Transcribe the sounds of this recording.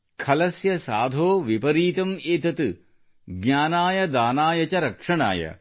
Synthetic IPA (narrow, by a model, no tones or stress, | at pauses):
kʰɐlɐsjɐsaːd̪ʱoːʋipɐɾiːt̪ɐmeːt̪ɐt̪ɨ | ɡɲʲaːnaːjɐd̪aːnaːjɐt͡ʃɐɾɐkʂɐɳa̰ːjɐ̰